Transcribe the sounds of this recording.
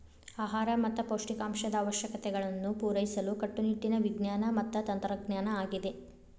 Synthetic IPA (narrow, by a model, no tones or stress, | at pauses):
aːɦaːɾɐmɐt̪ːɐpoːʂʈikaːmʃɐd̪ɐːʋɐʃjɐkɐt̪ɛɡɐɭɐnːupuːɾɐjisɐlukɐʈːuniʈːinɐʋiɡnjaːnɐmɐt̪ːɐt̪ɐnt̪ɾɐɡnaːnɐaːɡid̪e̞